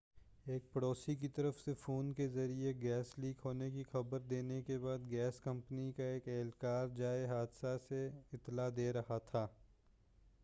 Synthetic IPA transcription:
eːk̚pɐɽoːsik̬it̪ɐɾəfsefoːnkezɐɾieɡɛːsliːkʰɦoːnekixɐbəɾd̪eːnekebaːd̪ɡɛːskɐ̃mpnikaeːkɛːlkaːɾd͡ʒaːeɦaːd̪saseɪt̪ːlad̪eːɾɐhat̪ʰaː

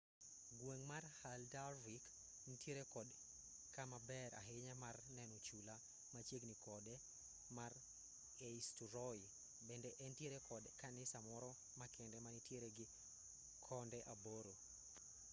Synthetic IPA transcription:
ɡweŋmarhaldawik | nitjeɾekɔd | kamabɛɾa̰ɦɪɲamarnɛnɔt͡ʃula | mat͡ʃjeɡnikɔdɛ | mar | eistuɾɔɪ | bɛndɛʔɛntjeɾekʰɔdkanɪsamɔɾɔ | makʰɛndɛmanitjeɾeɡɪ | kʰɔndɛʔaboɾo

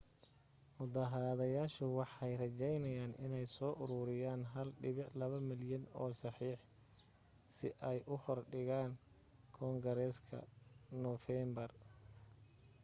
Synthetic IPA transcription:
mʊðaːɦɐɾaðɐjaːʃʊwɑħɛjrɐt͡ʃɛjnɐjaːnɪ̰nɛjsɔːʔʊɾʊːɾɪjaːnɦɐlɖɪβɪʕlɐβɐmɪljɐnɔːsɑħiːħ | sɪʔɛjʔʊhɔrɖɪɣaːn | kʰɔːŋɡɐɾɛːskʰɐ̰nɔfɛmbɐr

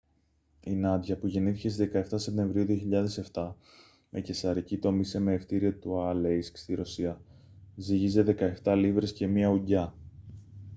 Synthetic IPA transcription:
inɐd̪ʝɐpuʝe̞niθicest̪iðe̞kɐe̞ft̪ɐse̞p̚t̪e̞ɱvɾiuðioçiʎɐðe̞se̞ft̪ɐ | me̞ce̞sɐɾicit̪o̞misemeːft̪iɾiot̪uɐlejskst̪iɾo̞siɐziʝize̞ðe̞kɐe̞ft̪ɐlivɾe̞sce̞miɐuɲɟɐ

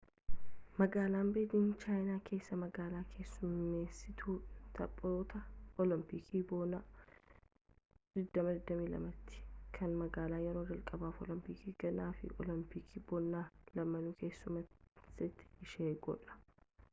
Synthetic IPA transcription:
mɐɡaːlaːmbeːd̪iːnt͡ʃaːjnaːkʰe̞ːsːɐmɐɡaːlaːkʰe̞ːsːʊmeːsːɪt̪ʰuːt̪ʰɐpʼːoːt̪ɐʔɔlɐmpikʰiːbona | d̪̥ɪd̪ːɐmɐd̪ɪd̪ːɐmiːlɐ̰mɐt̪ːɪ̥kʰɐnmɐɡaːlaːjɛɾoːd͡ʒɐlkʼɐbaːfɔ̰lɐmpiːkiːɡ̥ɐnaːfɪ̰ʔɔ̰lɐmpikʰiːbɔnːaːlɐmɐnuːke̞ːsːʊmɐsɪt̪ːɪ̥ɪʃeːɡɔ̰ᶑɐ̥

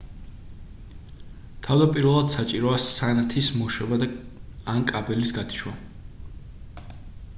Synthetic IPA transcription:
t̪ʰavd̪apʼiɾvɛlˠad̪̥sat͡ʃʼiɾɔasanat̪ʰismɔʃɛbad̪aankʼabɛlisɡad̪i̥ʃwa

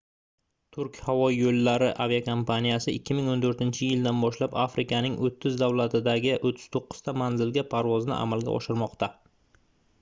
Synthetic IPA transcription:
t̪ʰʊɾkʲhavɒjolːaɾɪʔaviakʰompʰanijasɪʔɪkʲːɪmɪŋont̪ʰɵɾt̪ɪnt͡ʃʰɪjɪld̪anbɒʃlapafɾɪkanɪŋʔot̪ʰːɪzd̪awlat̪ʰɪd̪aɡʲɪʔot̪ʰːɪ̥z̥t̪ʰoqːɨ̥z̥t̪ʰamanzɪlɡʲapʰaɾvɒznɪ̰ʔa̰malɡʲa̰ʔɒ̰ʃɪɾmɒqt̪ʰa

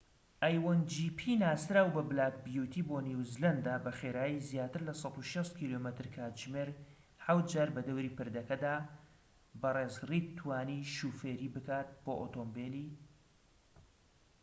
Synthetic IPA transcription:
ʔajwɐnd͡ʒiːpʰiːnaːsɾaːwbɐblaːk̚bijuːt̪ʰiːboːniwzlɐnd̪aːbɐxeːɾaːjizjaːt̪ɨɾlɐsˤɑt̪uʃɐst̪̚kʰiːlomət̪ɨɾkʰaːtd͡ʒmeːɾ | ħawt̪̚d͡ʒaːɾbɐd̪ɐwɾiːpɨɾd̪ɐkɐd̪aː | bɐreːzriːt̪ʰːwaːniːʃuːfeːɾiːbɨkʰaːt̪̚b̥oːʔoːt̪ʰoːmbeːliː

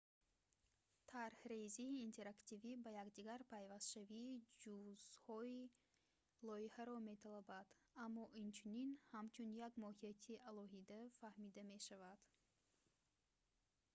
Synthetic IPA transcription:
t̪ʰaɾhɾeziːnt̪ʰe̞ɾakt̪ivibajaɡd̪iɡaɾpʰajvast̪ʃaviːd͡ʒuzhɔi | lɔihaɾɔme̞t̪ʰalabad̪amːɔʔint͡ʃʰuninhamt͡ʃʰunjaɡmɔhiat̪ʰiʔalɔɦid̪afahmid̪ame̞ʃavad̪̥

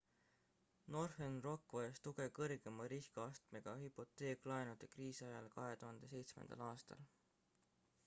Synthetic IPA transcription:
no̞rfenro̞kˑːvɑɑst̪uɡ̥e̞kɤrɡ̥e̞mɑɾiskɑɑst̪me̞ɡ̥ɑhypːˑo̞t̪ːˑe̞ːkːlɑenud̪̥ekriːsɑjɑlkɑɦe̞t̪uɦɑnd̪̥e̞se̞jt̪smḛnd̪̥ɑ̰lɑːst̪ɑ̰l

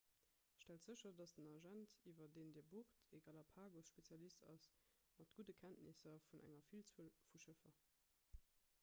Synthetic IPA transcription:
ʃtæltz̥əɕɐdɑsdənɑʒæntivɐdeːndɛːɐbuʁtʰeɡɑlɑpʰaːɡosʃpet͡sjɑlistɑ̰s | mɑtɡ̥udəkʰæntnisɐfunʔæ̰ŋɐfilt͡səlfuʃəfɐ

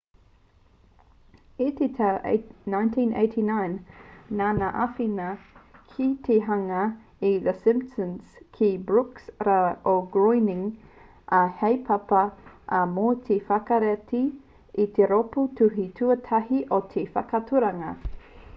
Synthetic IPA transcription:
it̪etʰaʔnãj̃ntʰĩnḛɪtʰinãjnːanaʔafinɐkʰit̪ʰeɦaŋɐ | iðəsɪ̃mptə̃nskʰibɹuksɾaoɡɹojnɪ̃ŋ | ʔahejpʰɐpɐʔamot̪ʰefakɐɾeti | it̪eɾoputuɦitʰuətʰɐɦiʔot̪ʰefɐkɐtʰuɾɐŋɐ

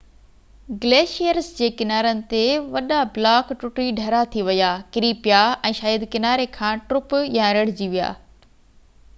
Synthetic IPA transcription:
ɡleːʃijəɾsd͡ʑeːkɪnaːɾənɪ̆t̪eʋɐɗablaːkʈʊʈɾiɖʱɐɾat̪ʰiʋɐjaːkɪɾiːpɪjaʔɛ̃ːʃaːjəd̪kɪnaːɾekʰãːʈɾʊpjãɾɐɽ̤d͡ʑiʋija̰ː

